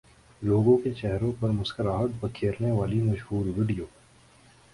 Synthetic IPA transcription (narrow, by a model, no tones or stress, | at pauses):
loːɡõket͡ʃɛɦɾõpɐɾmʊskəɾaːɦəd̪̚bɐkʰeːɾneʋaːlimɐʃɦuːɾʋɪɖijoː